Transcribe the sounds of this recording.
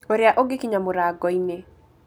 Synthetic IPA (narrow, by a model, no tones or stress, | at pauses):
oɾjaʔoɡɪkiɲamʊɾaɡɔine